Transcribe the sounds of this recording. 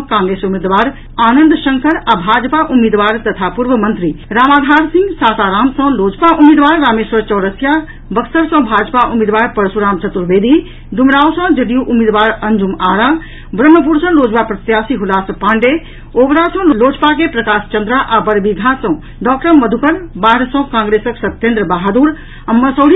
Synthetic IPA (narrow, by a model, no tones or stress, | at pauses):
kãːŋɡɾeːsumeːd̪ʋaːɾ | aːnənd̪ʃɐŋkʰəɾabʱaːd͡ʒpaʔumeːd̪ʋaːɾt̪ɐt̪ʰapuɾʋəmɐnt̪ɾiɾaːmaːd̪ʱaːɾsĩŋɡsaːt̪aːɾaːmsɔ̃loːd͡ʒpaʔumeːd̪ʋaːɾːaːmeːʃʋəɾt͡ʃɔːɾəsja | bɐksəɾsɔ̃bʱaːd͡ʒpaʔumeːd̪ʋaːɾpɐɾsuɾaːmt͡ʃɐt̪ːuɾʋeːd̪i | d̪umɾaːwsɔ̃d͡ʒəd̪ijuʔumeːd̪ʋaːɾənd͡ʒumaːɾa | bɾəmːəp̬uɾsɔ̃lod͡ʒbapɾɐt̪jaːsiɦulaspaːɳɖe | oːbɾasɔ̃lloːd͡ʒpakepɾəkaːst͡ʃənd̪ɾaʔabəɾbiɡʱãsɔ̃ | ɖɔːk̚ʈəməd̪ʱukəɾbaːɾsɔ̃kãŋɡɾesəksət̪ːẽnd̪ɾəbaɦad̪uɾ | əmːəsəɽi